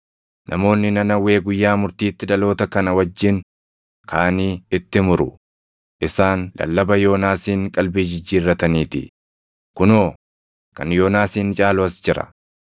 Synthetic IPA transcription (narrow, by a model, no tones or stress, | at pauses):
nʔɐ̰mo̞ːnːɪnɐnɐwe̞ːɡʊjːaːmʊɾt̪iːt̪ːɪd̪ɐlo̞ːt̪ɐkɐnɐwɐd͡ʒːɪn | kʰaːniːɪt̪ːɪmʊɾʊ | ʔɪsaːnlɐ̰lːɐbɐjo̞ːnaːsiːŋkʼɐlbiːd͡ʒɪd͡ʒːiːrːɐt̪ɐniːt̪ɪ̰ | kʊnoː | kɐ̰njo̞ːnaːsiːnt͡ʃʼaːloɐsd͡ʒɪɾɐ̰